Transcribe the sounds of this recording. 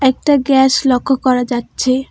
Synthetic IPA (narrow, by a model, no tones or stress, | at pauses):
ɛk̚ʈaɡɛʃlɔkʰːokɔɾad͡ʑatːɕʰe